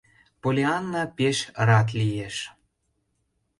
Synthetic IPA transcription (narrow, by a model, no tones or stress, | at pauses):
polʲeɑnːɑpeʃɾɑt̪̬lijeʃ